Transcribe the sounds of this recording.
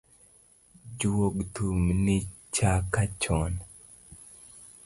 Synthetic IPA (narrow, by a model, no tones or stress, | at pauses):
d͡ʒuwoɡtumnit͡ʃakat͡ʃɔn